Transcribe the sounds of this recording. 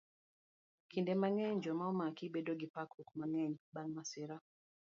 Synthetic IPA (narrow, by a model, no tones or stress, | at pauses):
kʰindɛmaŋɛɲd͡ʒɔmaɔmakibɛdɔɡipakɾukmaŋɛɲbanmasiɾa